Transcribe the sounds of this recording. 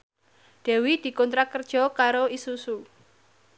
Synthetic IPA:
d̪̥ɛ̤wid̪̥i̤kɔnt̪ɾakərd̥ʒ̥ɔ̤kaɾoisusu

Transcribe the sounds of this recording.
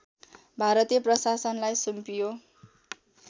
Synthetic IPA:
bʱaɾʌt̪ijʌprʌsasʌnlajsumpijo

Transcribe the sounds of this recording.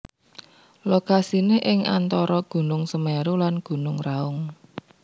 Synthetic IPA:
lokasinɪɦʔɪŋa̰nt̪ɔɾɔɡ̥ṳnʊŋsəmɛɾulanɡ̥ṳnʊŋraʊŋ

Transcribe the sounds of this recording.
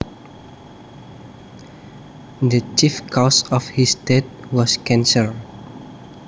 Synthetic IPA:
dət͡ʃifkʰɔsɔfhisdɛt̪̚wɔskɛ̃nsəl

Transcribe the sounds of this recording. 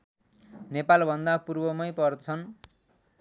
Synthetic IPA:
nepalbʱʌnd̪apurbʌmʌjpʌrt͡sʰʌn

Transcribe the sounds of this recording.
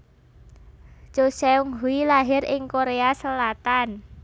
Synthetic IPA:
t͡ʃosɛuŋɦuilaɦɪɾɪŋkoɾeasəlat̪an

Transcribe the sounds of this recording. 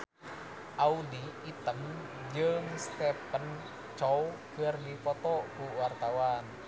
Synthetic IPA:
ʔauliit̪əm | d͡ʒəŋst̪ɛpən | t͡ʃɔwkərdipɔt̪ɔkuwart̪awan

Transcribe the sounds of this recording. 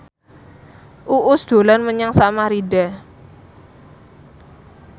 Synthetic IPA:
ʔuʔʊsd̪̥o̤lanməɲaŋsamaɾidɛ

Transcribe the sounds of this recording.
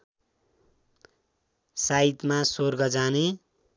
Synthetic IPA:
sait̪masorɡʌd͡zane

